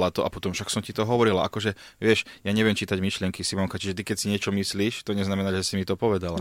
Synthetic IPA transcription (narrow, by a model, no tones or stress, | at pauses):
lat̪ɔʔapɔt̪ɔmfʃaksɔmcit̪ɔɦɔʋɔɾilaʔa̰kɔʒɛ | ʋɪɛʃjaɲɛʋɪɛmt͡ʃiːt̪aɟmiʃlɪɛŋkisimɔŋkat͡ʃiʒɛt̪̬ikɛcsiɲɪɛt͡ʃɔmisliːʃt̪ɔɲɛznamɛnaːʒɛsimit̪ɔpɔʋɛd̪ala